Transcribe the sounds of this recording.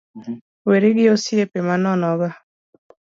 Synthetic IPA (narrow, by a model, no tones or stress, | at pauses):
weɾeɡɪosjepemanɔnɔɡa